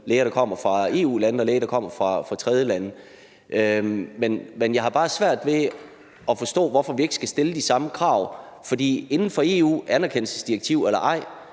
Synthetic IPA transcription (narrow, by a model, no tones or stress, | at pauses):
leːɐɾ̥ɑ̈kʰɒ̽m̰ɐfʁɑ̈e̝ːṵːlænð̩ɒleːɐɾ̥ɑ̈kʰɒ̽m̰ɐfʁɑ̈fʁɑ̈t͡sʰʁɛð̞ˠjəlænə | ʔømenmenjɑ̈ɪhɑ̈b̥ɑ̈ːsʋæɐ̰d̥ʋe̝ | ɒ̽fɒ̽sd̥ɔ̰̽ːʋɒfɒʋie̝ɡ̥əsɡ̥æsd̥e̝ləd̥isɑ̈məkʰʁɑ̈ʊ̰fɒ̽d̥ḭːe̝nn̩fɒ̽e̝ṵːænæɐkʰen̰l̩səsd̥iɐɡ̥̚t͡sʰiʊelɐʔɑ̈ɪ̰